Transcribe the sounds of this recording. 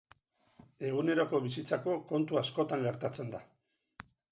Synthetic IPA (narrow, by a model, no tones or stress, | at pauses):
e̞ɣ̞une̞ɾo̞ko̞βisit͡sako̞ko̞nt̪uasko̞t̪aŋɡe̞ɾt̪at͡se̞nd̪a